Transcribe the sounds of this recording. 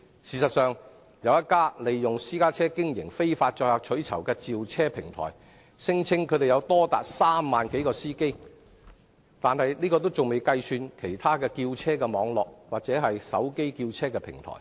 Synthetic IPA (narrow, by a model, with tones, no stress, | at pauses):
siː˨˩sɐ˨t̚sœː˨ŋ | jɐ˨˧wjɐ˥t̚kːaː˥le˨jːʊ˨ŋsiː˥kaː˥t͡sʰɛː˥kɪ˥ŋjɪ̰˨˩ŋfe˥jfaː˧t̚t͡ʃɔː˧jlaː˨˧k̚t͡ʃʰɵ˨˥ɥt͡sʰɐ˨˩wkɛː˧t͡siː˨wt͡sʰɛː˥pʰɪ˨˩ŋt̪ʰɔ̰ː˨˩j | sɪ˥ŋt͡sʰɪ˥ŋkʰɵ˨˧˥ɾe˨jɐ˨˧wt̪ɔː˥t̪a̰ː˨k̚saː˥mːaː˨nke˨˥jkɔː˧siː˥ke˥j | t̪aː˨nhɐ˨jniː˥kɔː˧t̪o˥wt͡sʊ˨ŋme˨jkɐ˧jsyː˧nkʰe˨˩jt̪ʰaː˥kɛː˧kiː˧wt͡sʰɛː˥kɛː˧mɔː˨˧˥ŋlɔː˨k̚waː˨k̚t͡sɛː˨˥ɦɐ˨jsɐ̰˨˥wke˥jkiː˧wt͡sʰɛː˥kɛː˧pʰɪ̰˨˩ŋt̪ʰɔ̰ː˨˩